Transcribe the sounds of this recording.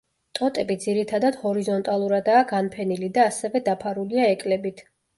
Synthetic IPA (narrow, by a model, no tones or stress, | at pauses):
t̪ʼɔt̪ʼɛbid̪ziɾit̪ʰad̪ad̪̥hɔɾizɔnt̪ʼalˠuɾad̪aːɡanpʰɛnilid̪aːsɛvɛd̪apʰaɾuliaɛkʼlɛbit̪ʰ